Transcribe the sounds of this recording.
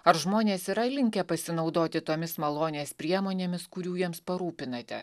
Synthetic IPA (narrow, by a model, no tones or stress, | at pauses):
ɐɾʒmoːnʲeːsiɾɐɪlʲɪŋʲkʲɛpɐsʲɪnɐʊd̪oːt̪ʲɪt̪oːmʲɪsmɐlˠoːnʲeːspʲɾʲiɛmoːnʲeːmʲɪskʊɾʲuːjiɛmspɐɾuːpʲɪnɐt̪ʲɛ̰